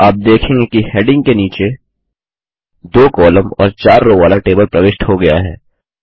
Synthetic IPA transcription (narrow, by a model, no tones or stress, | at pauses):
aːp̚d̪eːkʰẽːŋɡekiheːɖɪ̃ŋɡkeniːt͡ʃe | d̪oːkɔːləmɔ̰ːɾt͡ʃaːɾːoʋaːlaʈeːbəlpɾɐʋeːʃʈhoɡɐja̰ɦɛ̰ː